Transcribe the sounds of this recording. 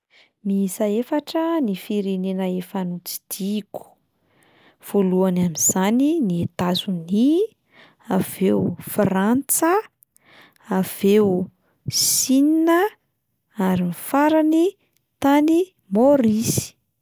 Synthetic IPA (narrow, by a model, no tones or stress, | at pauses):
miisaefaʈ͡ʂənifiɾenenəefanut͡si̥d̪̥iku̥ | v̥oluanamiz̥aniniet̪azuni | av̥ewfrant͡sə | av̥e | sininə | aɾimifaɾani | t̪ani | moɾisi̥